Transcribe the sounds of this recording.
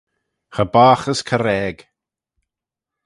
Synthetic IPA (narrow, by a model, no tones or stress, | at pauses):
χəbaːχəskʰəɾɛːɡ̥